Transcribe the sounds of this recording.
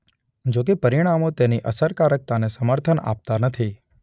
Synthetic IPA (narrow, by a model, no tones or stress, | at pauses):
d͡ʒok̬epəɾiɽ̃amõt̪eniʔəsəɾkaɾək̚t̪anesəməɾt̪ʰəna̰p̚t̪anət̪ʰi